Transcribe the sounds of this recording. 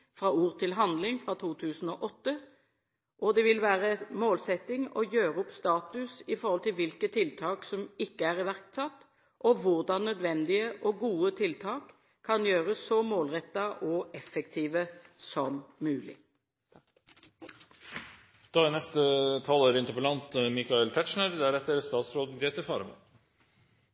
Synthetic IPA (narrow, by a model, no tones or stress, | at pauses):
fʁɑːuːʁt̪ʰɪlɦɑnd̪lɪŋfʁɑːt̪ʰuːt̪ʰʉːsn̩ɔːʔɔt̪ːə | ʔɔd̪ɛʋɪlʋæːʁəmoːlsɛt̪ːɪŋɔjøːʁəʊpst̪ɑːt̪ʉsɪfɔɾhɔlt̪ɪlʋɪlkət̪ʰɪlt̪ʰɑːksɔmɪkːəæʁɪʋæʁkt̪sɑt̪ː | ʔɔʋʊʁd̪ɑnːœd̪ʋɛnd̪ɪəʔɔɡuːət̪ʰɪlt̪ʰɑːk | kʰːɑnjøːʁəsɔmoːlʁɛt̪ːɑʔɔɛfɛkt̪ʰiːʋəsɔmːʉːlɪ̰ | d̪̥ɑːænɛst̪ət̪ʰɑloːɾɪnt̪əpəlɑnt̪mɪkɑɛlt̪ʰæʃɳəɾd̪æɾɛt̪ːəɾst̪ɑːt̪sɾoːd̪ɡɾeːt̪əfɑːɾəmɑ̰